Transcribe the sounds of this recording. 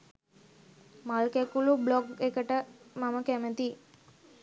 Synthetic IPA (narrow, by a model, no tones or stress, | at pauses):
malkekulublɔkekəʈəmaməkɛmət̪i